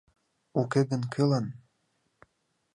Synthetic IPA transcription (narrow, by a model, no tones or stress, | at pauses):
ukeɣənkʰelɑn